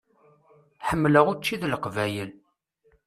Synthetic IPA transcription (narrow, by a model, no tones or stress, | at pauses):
ħəmːləʁʊɾt͡ʃːiðlqvæjəl